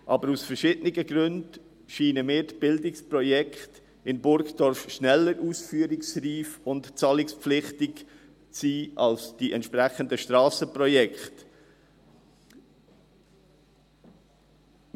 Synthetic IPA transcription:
ʔɑbəɾusfəɾʃɪdənɪɡəɡɾʏnd | ʃiːnəmɪːɾtb̥ɪldɪksprɔjɛkχt | ɪnbʊɾkd̥ɔɾfʃnɛlːəɾʔuːsfyːəɾɪksriːfʊntt͡sɑlɪkspp͡flɪχtɪk | t͡siːʔɑlsd̥iʔɛntʃpɾæχəndəʃtɾɑːsəpɾɔjɛkχt

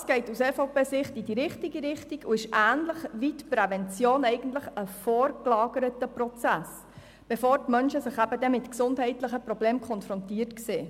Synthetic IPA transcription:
ɑsɡ̥ɛɪtusɛfoʊpeːsɪχtidiɾɪχtiɡiɾɪχtiɡuɪʃʔæːnləχʋitpɾɛvɛnt͡sjoːnɛɪɡ̥ən̩tləχəfɔːɾklɑːɡəɾətəpɾɔt͡sæs | b̥ɛfoːɾtmœnʃəsəχæbədɛmɪtksʊndɦɛɪtləχəpɾɔbleːmkʰɔnfɾɔntiːərtkseː

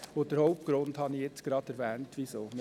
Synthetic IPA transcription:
od̥əɾhɔʊp̚t̚ɡ̥ɾʊndhɑnijɛt͡sɡ̥ɾɑːd̥̪ɛɾʋɛːntʋisoːm

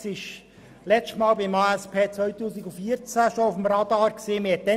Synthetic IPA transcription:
sɪʃ | lɛt͡stmɑːlbɪmɑːɛspʰeːt͡sʋœʏtuːsiɡufiːəɾt͡sæʃɔʊfəmɾɑd̥̪ɑːɾkseːmɪɛt̚dɛ

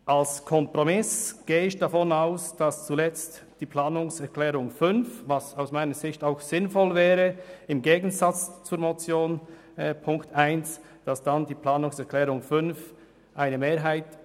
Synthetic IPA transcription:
ʔalskʰɔmpʁomɪsɡ̥eːəɪçd̥afɔnaʊsd̥ast͡sulɛt͡st | d̥iːpʰlaːnʊŋsɛɾkʰl̥ɛːʁʊŋfʏnfvasaʊsmaɪnəzɪçtaʊxz̥ɪnfɔlvɛːʁəɪmɡeːɡn̩zat͡st͡suːɾmot͡sjoːn | ɛpʰʊŋktaɪns | d̥asd̥andiːplaːnʊŋsɛɾkʰl̥ɛːʁʊŋfʏnf | ʔaɪnəmeːɾɦaɪt

